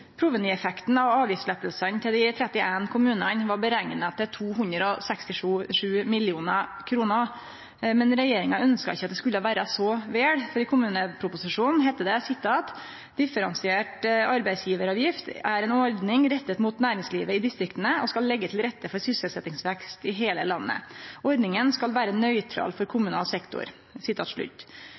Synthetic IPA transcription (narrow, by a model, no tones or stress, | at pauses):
pʰɾʊʋəniɛfɛkt̪n̩ɑʋɑːʋjɪslɛt̪əlsənt̪ʰɪld̪ɪt̪ʰɾɛt̪ːɪʔænkʰʊmʉːnənʋɑɾbəɾæŋnət̪ʰːɪlt̪ʰuːɦʉnd̪ɾəɔsɛkst̪ɪʂuːʂʉːmɪlɪuːnɑkʰɾuːnə | mɛnɾɛjeːɾɪŋɑœnskɑɪçːɑt̪d̪ɛskʉlːəʋæːɾəsɔʋeːɽfɔɖiːkʰʊmʉːnəpʰɾʊpʊsɪʂuːnn̩ɦæɪt̪ːəd̪ɛsɪt̪ʰːɑːt̪ | d̪̥ɪfəɾɑnsɪeːʈɑɾbæɪsjiːʋəɾɑːʋjɪft̪æɾɛnɔɾd̪nɪŋɾɛt̪ːət̪mʊt̪næːɾɪŋsliːʋəɪd̪ɪst̪ɾɪkt̪ənəɔskɑlːɛɡːət̪ʰɪlɾɛt̪ːəfɔɾsʏsəlsɛt̪ːɪŋsʋɛkst̪ɪɦeːləlɑnːə̰ɔɾɖnɪŋənskɑlʋæːɾənœʏt̪ʰɾɑ̰lfɔɾkʰʊmʉnɑ̰ːlsɛkt̪ʊ̰ɾ | sɪt̪ʰːɑ̰ːt̪ʂɭʉ̰t̪ː